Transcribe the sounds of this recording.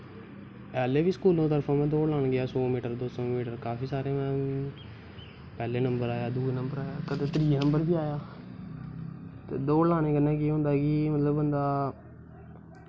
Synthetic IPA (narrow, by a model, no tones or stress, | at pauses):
ɛːleːʋiːsə̥kuːlõːt̪əɾpʰãːmɛ̃ːd̪oːlaːnɡɪaːsoːmiːʈəɾd̪oːsoːmiːʈəɾkaːfiːsaːɾeːmɛ̃ː | pɛːleːnəmbəɾaːjaːd̪uːnəmbəɾaːjaːkəd̪eːt̪ɾiːnəmbəɾbiːaːjaː | t̪ḛːd̪oːlaːneːkənãːkiːɦõnd̪aːkiːmət̪ləbənd̪aː